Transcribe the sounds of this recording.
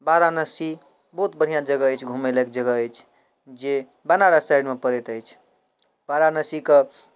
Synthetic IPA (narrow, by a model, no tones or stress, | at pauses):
baɾanəsi | bəɦut̪̚bəɽ̤ijãd͡ʒəɡəəjt͡ʃʰɡʱumelək̚d͡ʒəɡəːɪt͡ʃʰ | d͡ʒe | banaɾasaɪɖmepəɾet̪əɪjt͡ʃʰ | b̥aɾanəsikə